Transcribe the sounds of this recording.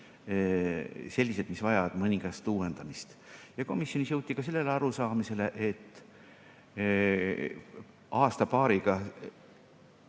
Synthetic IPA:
se̞lʲːise̞d̪misvɑjɑvɑd̪̥mɤniŋɡ̥ɑst̪uːend̪̥ɑmist̪jɑko̞misjo̞nʲisjɤwt̪ːˑikɑse̞lːe̞leɑɾusɑːmise̞le̞ʔet̪ː | ɑːst̪ɑpɑːɾiɡ̥ɑ

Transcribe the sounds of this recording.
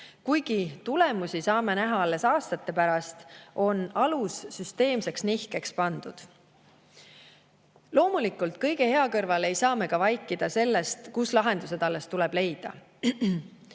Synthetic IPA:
kujɡ̥it̪ule̞musisɑːme̞næɦɑɑlːe̞sɑːst̪ɑt̪ːe̞pæɾɑst̪ʔo̞nɑlusːyst̪e̞ːmse̞ksnihkekspɑnd̪̥ud̪̥ | lo̞ːmulikˑult̪̚kɤjɡ̥e̞he̞ɑkɤrvɑle̞jsɑːme̞kɑvɑjkːˑid̪̥ɑse̞lːest̪kuslɑɦe̞nd̪̥use̞d̪ɑlːe̞st̪uleb̥le̞jd̪̥ɑ̰

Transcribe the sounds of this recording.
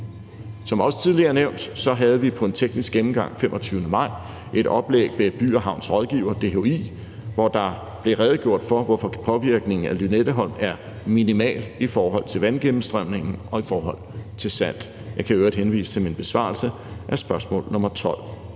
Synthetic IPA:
sɒ̽mɒ̽sə̥t͡sʰiðˠliɐneʊ̰nd̥sɒ̽ɦæð̞̩ˠʋipʰɒ̽e̝nt͡sʰeɡ̥nisɡ̥emm̩ɡ̥ɑ̈ŋ̰femʔɒ̽t͡sʰyːʊnəmɑ̈ɪ̰ | ʔe̝ɾ̥ɒ̽b̥lḛːɡ̥ʋe̝b̥y̰ːɐɦɑ̈ʊ̰nsʁɒð̞ˠɡ̥ḭːʊ̰ɐd̥e̝ɦoḭː | ʋɒd̥ɑ̈ | b̥le̝ʁɛð̩ˠɡ̥jo̝ɐ̰d̥fɒ̽ʋɒfɒ̽pʰɒ̽ʋiɐɡ̥ne̝ŋn̩ælyned̥əɦɒ̽ln̰mæɐ | minimɛ̰ːlifɒːɦɒ̽l̰t͡sʰe̝lʋænɡ̥emm̩sd̥ʁœm̰ne̝ŋn̩ʔɒ̽ifɒːɦɒ̽l̰t͡sʰe̝lsæn̰d̥ | jɑ̈ɪkʰæøʊɐd̥henʋḭːsə̥e̝lminb̥e̝sʋɑ̰̈ːlsə | ʔæsb̥ɶɐsmɔ̰̽ːlnɔ̽mɐt͡sʰɒ̽l̰

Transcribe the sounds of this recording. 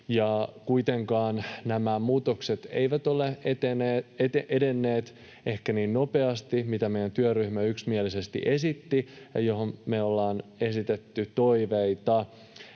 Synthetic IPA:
jɑkuit̪eŋkɑːnnæmæmuːt̪okset̪ḛjʋæt̪o̞leet̪eneeeʔedenːeːt̪ | e̞hkæniːnno̞pe̞ɑst̪imit̪æmejænt̪yøryhmæyksmielise̞st̪ḭʔe̞sit̪ːijɑ̰jo̞ɦommeolːɑːne̞sit̪et̪ːyt̪o̞iʋeit̪ɑ

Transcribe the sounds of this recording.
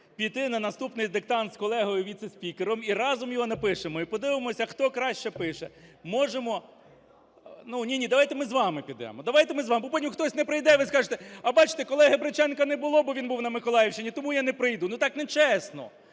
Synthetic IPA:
pʲijt̪ɪnɐnɐst̪upnɪjd̪ek̚t̪ɑnt̪skɔlˠɛɦɔjʊʋʲit̪sesʲpʲikeɾɔmiɾɑzɔmjɔɦɔnɐpɪʃemɔipɔd̪ɪʋɪmɔsʲɐxt̪ɔkɾɑʃt͡ʃɛpɪʃɛmɔʒemɔ | nunʲinʲid̪ɐʋɑjt̪emɪzʋɑmɪpʲid̪ɛ̰mɔd̪ɐʋɑjt̪emɪzʋɑmɪbɔpɔnʲimʊxt̪ɔsʲnɛpɾɪjd̪ɛʋɪskɑʒet̪eɐbɑt͡ʃɪ̥t̪ekɔlˠɛɦɪbɾɪt͡ʃɛnkɐnɛbʊlˠɔbɔʋinbuwnɐmɪkɔlˠɑjɪwʃt͡ʃɪnʲit̪ɔmujanɛpɾɪjd̪unut̪ɑknɛt͡ʃɛsnɔ̰

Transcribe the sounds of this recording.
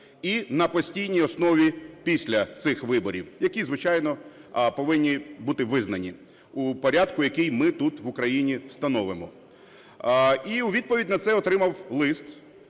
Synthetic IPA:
inɐpɔsʲtʲijnʲijɔsnɔʋʲipʲisʲlʲɐt̪sɪxʋɪbɔɾʲiwjɐkʲizʋɪt͡ʃɑjnɔpɔʋɪnʲːibut̪ɪʋɪznɐnʲi | upɔɾʲad̪kʊjɐkijmɪt̪ut̪ʋʊkɾɐjinʲiwst̪ɐnɔʋɪmɔ̰ | iuʋʲid̪̚pɔʋʲidʲnɐt̪sɛɔt̪ɾɪmɐwlˠɪst̪

